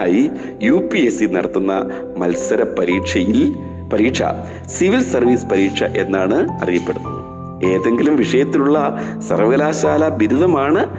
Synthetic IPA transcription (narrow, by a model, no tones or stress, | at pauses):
aːji | juːpːiesinɐɽɐt̪ːunːɐ | mɐlsɐɾɐpːɐɾiːʂɐji | pɐɾiːʈʂɐ̰ | siʋilsɐrʋiːspɐɾiːʈʂɐ̰ʔe̞nːaːɳɨɐ̰rijɐpːe̞ɽunːɐðɨ | e̞ːðe̞ŋɡilumʋiʂɐjɐt̪ːiluɭːɐsɐrʋɐɣɐlaːɕaːlɐbiɾuðɐmaːɳɨ